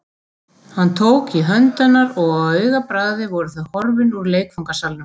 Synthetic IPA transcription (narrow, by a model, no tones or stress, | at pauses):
hant̪ʰoːwkiɦœnt̪anːaɾɔɣaðœɥɣapɾaːððɪvɔɾʏθahɔɾvɪnuɾleːjkfawŋkasalnʏm